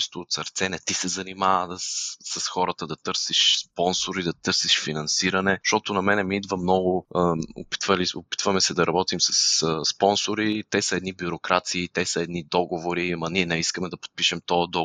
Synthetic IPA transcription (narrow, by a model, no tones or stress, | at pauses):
ɛst̪ʊːt̪sɐɾt̪sɛnɛt̪isɛzɐnimaəsɐsxɔɾət̪əd̪ɐt̪ɤɾsiʃspɔnsoɾid̪ɐt̪ɤɾsiʃfinɐnsiɾɐnɛʃt̪ɔt̪ʊnɐmɛnɛmiid̪vəmnɔɡʊəo̰pi̥t̪vəliopi̥t̪vəmɛsɛd̪ɐɾɐbɔt̪imsɐ̥səspɔnsoɾit̪ɛsəɛd̪nibuɾokɾat̪siːt̪ɛsəɛd̪nid̪ɔɡovoɾimɐniɛnɛiskəmɛd̪ɐpo̥t̪̚piʃɛmt̪ɔɐd̪ɔ